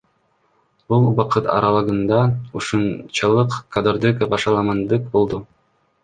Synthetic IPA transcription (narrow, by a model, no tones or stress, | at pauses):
bulˠbɑqɤt̪ɑ̰ɾɑlˠɤɡɤ̆nd̪ɑuʃunt͡ɕɑlˠɤqkad̪ɤɾd̪ekbɑʃɑlˠɑmɑnd̪ɯq̚bulˠd̪o